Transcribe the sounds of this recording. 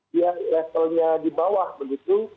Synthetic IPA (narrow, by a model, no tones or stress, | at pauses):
diaʔlɛt̪əlɲadibawahbəɡit̪u